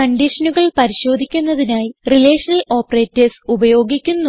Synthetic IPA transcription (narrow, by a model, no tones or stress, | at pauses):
kɐɳɖiʂɐnuɣɐɭpɐɾiɕo̞ːd̪ʱikʲːunːɐðinaːjirile̞ːʂɐnɐlo̞ːpːɐre̞ːtːesubɐjo̞ːɡikʲːunːu